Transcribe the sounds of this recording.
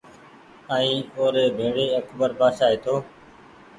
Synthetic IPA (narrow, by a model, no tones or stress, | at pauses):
əːĩːoːɾeːbʱeːɽeːəkbəɾpaːʃaːeːt̪ʰoː